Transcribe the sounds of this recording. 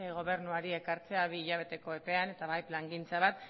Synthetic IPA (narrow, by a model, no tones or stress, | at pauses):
ɣo̞β̞e̞ɾnuaɾie̞kaɾt͡se̞aβiːʎaβ̞e̞t̪e̞ko̞epe̞ane̞t̪aβajplaŋɡint͡saβ̞at̪